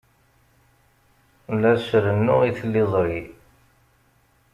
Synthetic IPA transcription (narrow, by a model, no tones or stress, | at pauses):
lːæʃɾənːʊʁiθlːɪðˤɾi